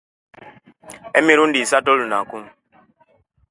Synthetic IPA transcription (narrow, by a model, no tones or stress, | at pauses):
ɛmiɾundisatɔlunakum